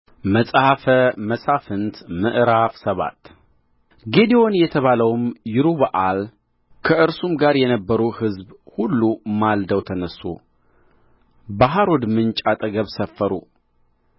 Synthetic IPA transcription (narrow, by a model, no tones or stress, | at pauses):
məsʼhafəməsʼafɨnt̪mɨ̰ʔɾafsəβa̰t̪ | ɡe̞d̪iwo̞njɛt̪ʰəβaləwmjɪɾuβaʔal | kʰəʔɨɾsumɡaɾjɛnəbːəɾuhɨzbhulːumald̪əwt̪ʰənəsːṵ | baɦaɾod̪mɨnt͡ʃʼat̪ʼəɡəβsəfːəɾṵ